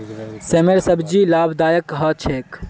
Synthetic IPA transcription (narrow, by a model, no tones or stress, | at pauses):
semeɾsəbd͡ʒilaːbd̪aːjəkːɦət͡ʃʰek